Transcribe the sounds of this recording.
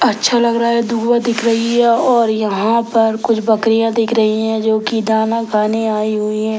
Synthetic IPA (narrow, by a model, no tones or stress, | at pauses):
ɐtːʃʰalɐɡɾaaɦɛd̪ʊɡwad̪ɪkʰɾɐɦiɦɛɔːɾjɐɦãpɐɾkʊt͡ʃʰbɐkɾijãd̪ɪkʰɾɐɦiɦɛ̃d͡ʒoːkid̪aːnakʰaːneaːiɦʊiɦɛ̃ː